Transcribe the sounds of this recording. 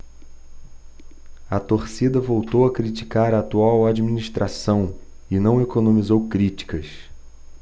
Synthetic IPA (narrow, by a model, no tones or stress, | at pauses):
ɐt̪oɾsid̪ɐvowt̪owɐkɾit͡ʃi̥kaɾɐːt̪uawad͡ʒiminiʃt̪ɾʔasɐ̃w̃ | ɪnɐ̃w̃ekonõmizowkɾit͡ʃi̥kɐs